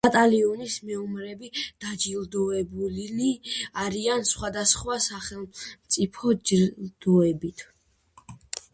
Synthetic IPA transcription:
at̪ʼaliɔnismɛɔmɾɛbid̪̥ad͡ʒilˠd̪ɔɛbulliaɾiansχwad̪asχwasaχɛlˠmt̪sʼipʰɔd͡ʒd̪̥ɔɛbit̪ʰ

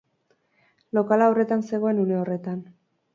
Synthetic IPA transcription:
lo̞kalawre̞t̪anse̞ɣ̞o̞e̞nune̞o̞re̞t̪an

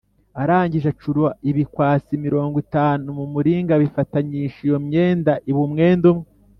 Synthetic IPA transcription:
aɾaːɲɟiʒat͡ʃuɾwaʔiβikwaːt͡simiɾo̞ːŋɡwitaːnumumuɾiːŋɡaβifataɲiʃijomɲe̞ːndaʔiβumŋe̞ːndumŋe

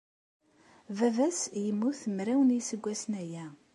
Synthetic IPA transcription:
vævæsjəmːuθmɾæwənjisəɡʷːæsnæjæ

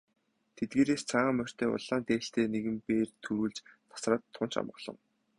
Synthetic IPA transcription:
t̪ʰet̪̚ɡeːɾeːst͡sʰaʁaːmœr̥ʲt̪ʰeːʊ̰ɮaːnt̪eːɬt̪eːneɣɘ̆mpeːrt̪ʰuɾuːɮt͡ɕt̪ʰḁsraːt̪ʰːʊnt͡ɕa̰mɢə̆ɮɞ̆ŋ

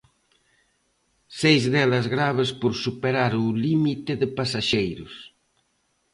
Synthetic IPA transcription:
sejzðɛlɐzɣɾaβ̞espoɾsupeɾaɾulimit̪ɪðɪpasaʃejɾʊs

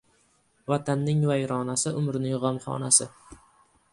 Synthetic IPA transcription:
vat̪ʰanːɪŋvajɾɒnasɪʊmɾɪnɪŋʁɒmχɒ̰nasɪ

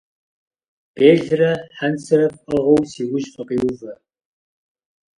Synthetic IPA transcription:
b̥eːɮrɐħansɐrɐpɐʁɐwsiːwʊʒfɐqiːwʊvɐ

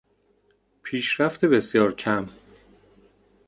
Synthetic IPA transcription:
pʰiːʃɾæft̪ʰebe̞sjɒːɾcʰæm

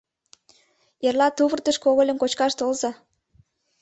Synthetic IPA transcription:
erlɑt̪uβərt̪ə̆ʃkoɣolʲə̆nkot͡ɕkɑʃt̪olzɑ

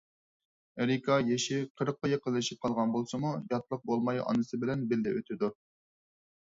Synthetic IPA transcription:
eɾikʰɑjeʃɪqʰəɾəqːɑjeqəllɪʃip̚qʰɑlˠʁɑnbolˠsɨmujɑt̪lˠəq̚bolˠmɑjɑ̰nɨsɨbɪlɛnbɪld̪ɛøt̪ʰɪd̪u

